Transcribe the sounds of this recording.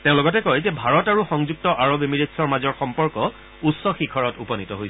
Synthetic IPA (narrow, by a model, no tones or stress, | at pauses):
teʊ̃lɔɡɔtɛkɔjzɛbʱaɹɔtaɹuxɔŋzuk̚tɔʔaɹobemiɹetsɔɹmazɔɹxɔmpɔɹkɔ | usːɔxikʰɔɹɔtupɔnitɔɦojs